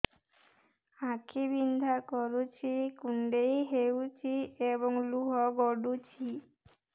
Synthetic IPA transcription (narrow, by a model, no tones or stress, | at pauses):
ãkʰibind̪ʱakɔɾut͡ʃʰikuɳɖejɦewt͡ʃʰiebɔŋluɦɔɡɔɖut͡ʃʰi